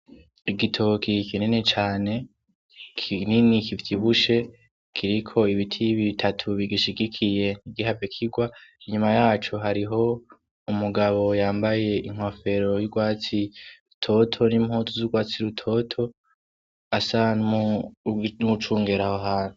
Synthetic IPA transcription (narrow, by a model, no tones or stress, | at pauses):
iɡitʰo̞kʰikinene̞t͡ʃaːne̞ | kʰininikifi̥tʰiβuʃe̞ | kʰiɾikʰo̞iβitʰiβitʰatʰuβiɡiʃiɡikʰije̞niɡihavekʰiɡwaiɲumajaːt͡ʃoɦaɾiɦo̞ | umuɡaβo̞jaːmbaje̞iŋhwofe̞ɾo̞juɡwaːt͡siutʰo̞tʰo̞nimhoːtuzuɡwaːt͡siɾutʰo̞tʰo̞ | asanmu | nuut͡ʃuːŋɡeɾahoɦaːnu